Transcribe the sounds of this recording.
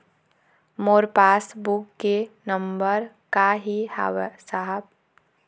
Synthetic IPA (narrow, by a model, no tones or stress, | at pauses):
moːɾpaːsbukːenəmbəɾ | kaɦiha̰saɦəb̚